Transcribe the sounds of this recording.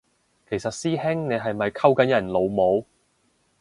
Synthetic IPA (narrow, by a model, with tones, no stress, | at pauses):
kʰe˨˩jsɐ˨t̚siː˥hɪ˥ŋne˨˧jɦɐ˨jmɐ˨jkʰɐ˥wkɐ˨˥njɐ˨˩nlo˨˧wmo˨˧w